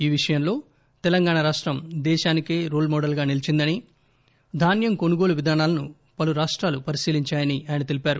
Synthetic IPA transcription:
iːʋiʂɐjɐmlo̞ː | t̪ɛlɐŋɡaːɳaɾaːʂʈɾɐmd̪ɛːʃaːnikeːɾoːlmɔːɽɐlɡaːnilit͡ʃind̪ɐni | d̪ʱaːnjɐmko̞nuɡoːluʋid̪ʱaːnaːlɐnu | pɐluɾaːʂʈɾaːlupɐɾisiːliɲt͡ʃaːjɐniaːjɐnɐt̪elipaːɾu

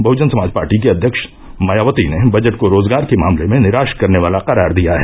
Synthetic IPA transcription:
bʱɐʊd͡ʒənsɐmaːd͡ʒpaːɾʈik̬eɐd̪ʱjəkʃ | mɐjaːʋət̪inebɐd͡ʒəʈkoɾoːzɡaːɾkema̰ːmlemẽnɪɾaːʃkɐɾneʋaːlaqɐɾaːɾd̪ijaɦɛː

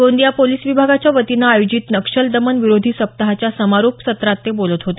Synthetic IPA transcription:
ɡond̪ijapolisʋibʱaɡat͡ɕjaʋət̪inaːjod͡ʑit̪nəkʂəld̪əmənʋiɾod̪ʱiːsəp̚t̪əɦat͡ɕjasəmaɾopsət̪ɾat̪ːebolət̪ɦot̪e

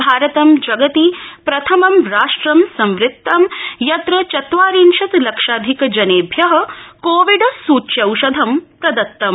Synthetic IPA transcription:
bʱaːɾɐt̪ɐmd͡ʒɐɡɐt̪ipɾɐt̪ʰɐmɐmɾaːʂʈɾɐmsɐ̃mʋɾɪt̪ːɐmjɐt̪ɾɐt͡ʃɐt̪ʋaːɾiːnʃɐt̪lɐkʂaːd̪ʱikɐd͡ʒɐneːbʱjɐɦɐ̆koːʋiɖɐsuːtːʃjɐwʃɐd̪ʱɐmpɾɐd̪ɐt̪ːɐm

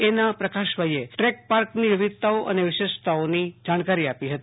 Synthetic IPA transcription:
enapɾəkaʃʋajeʈɾɛk̚paɾkniʋɪʋid̪̚ʱt̪aoʔəneʋɪʃeʃt̪aonid͡ʒaɳ̃kaɾiapiɦət̪i

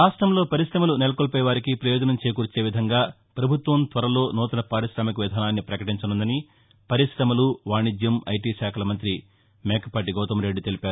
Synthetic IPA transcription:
aːsʈɾɐmlo̞ːpɐɾiʃɾɐmɐlunelɐkolpɐːjɐʋaːɾikipɾɐjoːd͡ʒɐnɐmt͡ʃeːjkuɾt͡ʃe̞ːʋid̪ʱɐŋɡaː | pɾɐbʱut̪ʋɐmt̪ʋɐɾɐlo̞ːnɔːt̪ɐnɐpaːɾiʃɾaːmikɐʋid̪ʱaːnaːnːipɾɐkɐʈiɲt͡ʃɐnund̪ɐni | pɐɾiʃɾɐmɐluʋaːɳid͡ʒjɐmɐ̰jʈiːʃaːkʰɐlɐmɐnt̪ɾi | meːkɐpɐʈiɡɔːt̪ɐmɾe̞ɖːit̪e̞lipaːɾu

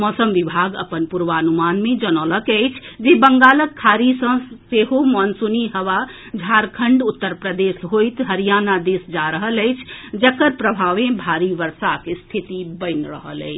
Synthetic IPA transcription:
mɔːsəmʋibʱaɡə̰pənpuɾʋaənumanmed͡ʒənɔləkəjt͡ʃʰd͡ʒebəŋɡaləkʰːaɾisə̃seɦomɔnsuniɦəʋa | d͡ʒʱaɾkʰəɳɖut̪ːəɾpɾəd̪esɦojt̪ɦəɾijanad̪esd͡ʒaɾəɦələjt͡ʃʰd͡ʒəkːəɾpɾəbʱaʋẽbʱaɾiʋəɾsakst̪ʰit̪ibəɪnɾəɦə̰lə̰ɪt͡ʃʰ

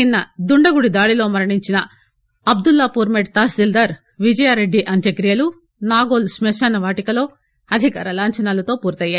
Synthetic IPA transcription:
ninːɐd̪uɳɖɐɡuɽid̪aːɽilo̞ːmɐɾɐɳiɲt͡ʃinɐ | ɐb̚d̪ulːɐpuːɾmeːʈ̚t̪aːsd͡ʒild̪ɐɾ | ʋid͡ʒɐjaːɾe̞ɖːiʔɐnt̪ʰjɐkɾijɐlu | naːɡoːlsmɛːʃaːnɐʋaːʈikɐlo̞ː | ɐd̪ʱika̰ːɾɐlaːɲt͡ʃɐnaːlɐt̪o̞ːpuːɾt̪ɐjːaːj

